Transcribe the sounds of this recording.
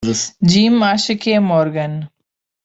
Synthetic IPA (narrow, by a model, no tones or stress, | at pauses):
d͡ʒiːmːaːʃɪkemoːɾɡən